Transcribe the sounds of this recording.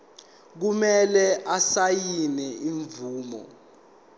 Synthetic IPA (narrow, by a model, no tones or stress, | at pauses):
k̬umɛlɛasajinɛiɱvuːmɔ̰